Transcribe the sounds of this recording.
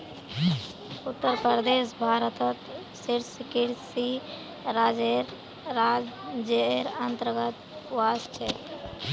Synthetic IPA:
ʊt̪ːəɾpɾəɾd̪esbʱaːɾət̪ət̪ | siɾsikiɾsi | ɾad͡ʒeɾ | ɾad͡ʒeɾənt̪əɾɡət̪ | wast͡ʃʰɛ

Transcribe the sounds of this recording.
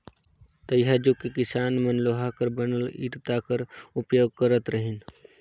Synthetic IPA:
t̪ɐjɦad͡ʒokekɪsaːnmɐnloːɦakəɾbənəlḭːʈt̪akəɾʊpjoːɡ̚kəɾət̪ɾəɦɪn

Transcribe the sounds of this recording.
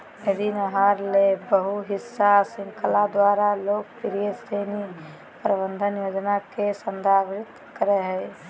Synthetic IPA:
ed̪inəɦaːɾlebəɦuɦɪsːasɪ̃ŋkəlad̪waːɾaloːk̚pɪɾijəseːni | pɾəbə̃nd̪ʱənjoːd͡ʒnakesənd̪ʱaːbɾɪt̪ | kəɾeɦɛː

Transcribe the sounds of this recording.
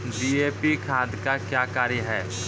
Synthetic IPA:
ɖiːeːpikʰaːd̪kakjaːkaːɾjəɦɛː

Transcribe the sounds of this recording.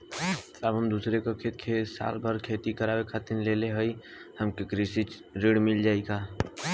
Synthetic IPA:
t̪əbʱəmd̪uːsɾekokʰeːt̪̚kʰesa̰ːlbʱəɾkʰet̪ikəɾaːwekʰat̪inleleɦəj | həmkekɾisit͡ʃ | ɾeɽmɪld͡ʒaːika

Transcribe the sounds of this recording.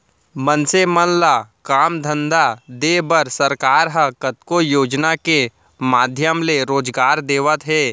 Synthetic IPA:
mənsemənlakaːmd̪ʱə̃nd̪ad̪eːbəɾsɐɾkaːɾɦəkət̪kojoːd͡ʒnake | maːd̪ʱjəmleɾoːd͡ʒɡaːɾd̪eːʋət̪ɦɛː

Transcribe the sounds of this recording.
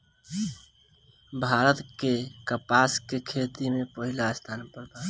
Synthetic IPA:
bʱaɾət̪kekəpaskekʰet̪imepəɦilaəst̪ʰaːnpəɾb̪a

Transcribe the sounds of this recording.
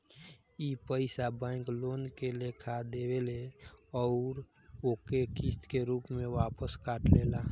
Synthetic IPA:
ipəɪsabãɪ̃kloːnkelekʰad̪eweleɔʊɾ | oːkekist̪keɾuːpmẽʋaːpəskaːʈlela

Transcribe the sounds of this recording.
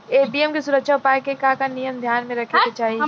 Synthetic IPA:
eːbiɛmkisʊɾəkʃaʊpaːekekakanijəmd̪ʱjaːnmẽɾɐkʰeket͡ʃaːɦie

